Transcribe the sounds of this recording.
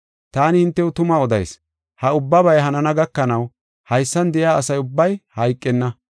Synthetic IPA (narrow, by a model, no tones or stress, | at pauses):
t̪aːnɪhɪnt̪ːɛʊt̪ʊmaːɔd̪ɐ̰js | hɐʊbːɐbɐjɦɐnɐnɐɡɐkːɐnɐw | hɐjsːɐnd̪ɛʔɪaːɐsɐjʊbːɐjhɐjkʼːɛnːɐ